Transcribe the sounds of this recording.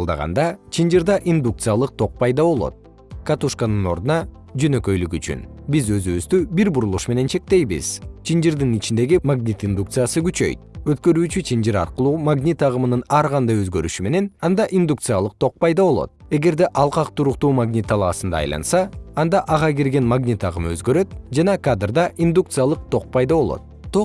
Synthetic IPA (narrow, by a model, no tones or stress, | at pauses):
lˠd̪ɑ̰ʁɑ̰nd̪ɑt͡ʃʰind͡ʒiɾd̪ɑʔind̪uk̚t̪sɨjalˠɯq̚t̪ʰo̞q̚pɑjd̪ɑβo̞lˠo̰t̪̚ | kat̪uʃkanɯno̞̰ɾd̪unɑ | d͡ʒø̞nø̞kø̞jlykyt͡ʃy̰nbizø̞zyβyzd̪ybiɾbuɾulˠuʃme̞ne̞nt͡ʃʰe̞k̚t̪e̞jbḭz̥t͡ʃʰind͡ʒiɾd̪init͡ʃind̪e̞ɡimaɡnʲit̪ind̪ukt̪sɨjasɯɡyt͡ʃø̞̰jt̪̚ø̞t̪kø̞ɾyːt͡ʃyt͡ʃʰind͡ʒiɾɑ̰ɾqɯlˠuːmaɡnʲit̪ɑʁɯmɯnɯnɑɾʁɑnd̪ɑjøzɡø̞ɾyʃyme̞ne̞nɑnd̪ɑʔind̪uk̚t̪sɨjalˠɯq̚t̪ʰo̞q̚pɑjd̪ɑβo̞lˠo̰t̪̚e̞ɡe̞ɾd̪e̞ʔɑlˠqɑqt̪ʰuɾuq̚t̪uːmaɡnʲit̪ʰːɑlˠɑɑsɯnd̪ɑ̰ːjlˠɑ̰nsɑːnd̪ɑʔɑʁɑɡiɾɡe̞nmaɡnʲit̪ɑʁɯmɯø̞zɡø̞ɾø̞t̪̚d͡ʒɑnɑkad̪rd̪ɑʔind̪uk̚t̪sɨjalˠɯq̚t̪ʰo̞q̚pɑjd̪ɑβo̞lˠo̰t̪̚t̪o